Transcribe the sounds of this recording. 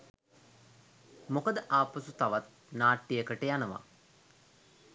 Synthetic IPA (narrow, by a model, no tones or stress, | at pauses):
mokəd̪əʔaːpəsut̪aʋat̪̚ | naːʈːijəkəʈəjanəʋa̰